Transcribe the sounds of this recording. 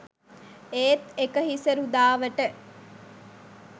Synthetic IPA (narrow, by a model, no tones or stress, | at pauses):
eːt̪ekəɦisəɾud̪aːʋəʈə